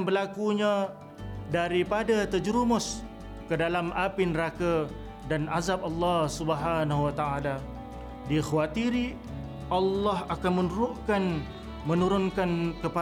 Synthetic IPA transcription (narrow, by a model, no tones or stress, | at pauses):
bəlakuɲã | daɾipadat̪əd͡ʒɾumʊs | kədalamapinəɾaka | danʔazap̚ɑlːɑsubəɦanahwat̪aʔala | dixwat̪iɾi | ɑlːɑɦakanmə̃nduɾʊʔkan | mə̃nuɾʊnkankəpa